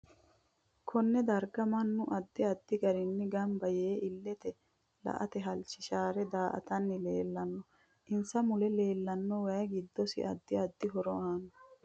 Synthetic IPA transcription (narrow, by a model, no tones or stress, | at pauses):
kʰɔnːɛd̪ɐɾɡɐmɐnːʊʔɐd̪ːɪɐd̪ːɪɡɐɾɪnːɪɡɐmbɐjeːɪlːɛt̪ɛ | lɐ̰ʔɐt̪ɛɦɐlt͡ʃɪʃaːɾɛd̪aːʔɐ̰t̪ɐnːɪleːlːɐnːɔ | ʔɪnsɐmʊlɛle̞ːlːɐnːɔwɐjɐɡɪd̪ːɔsɪ̰ʔɐ̰d̪ːɪɐd̪ːɪɦɔɾɔaːnɔ